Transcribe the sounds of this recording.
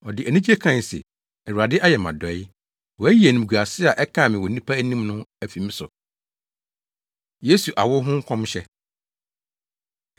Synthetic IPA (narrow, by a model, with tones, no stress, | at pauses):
ɔ˨dɪ˨ʔæ˨nĩ˦d͡ʑe˦kʰã˨n˨sḛ˨ | ɛ˨u˨a˨dɪ˦ʔa˦jɛ˨mã̰˨dɔ˨˦ɪ˦ | wɔ˨æ˦ji˨˦e˨nũ˨ɡu˨a˨sɪ˦a˨ʔɛ˦kʰã˦˨mɪ̃˨wɔ˨nĩ˦pʰa˦æ˦nĩ˦mnʊ̃˦æ˨fĩ˨mɪ̃˦sʊ˨ | je˦su˨ʔa˨wʊ˦ɦʊ̃˦ŋ̩˦kʰɔ̃˦mɕɛ˦